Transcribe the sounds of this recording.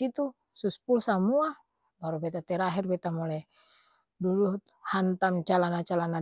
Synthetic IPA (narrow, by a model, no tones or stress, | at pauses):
it̪u | suspulsamua | baɾubɛt̪at̪ɛɾaɦirbɛt̪amɔlɛ | dudu | hant̪amt͡ʃalanat͡ʃalana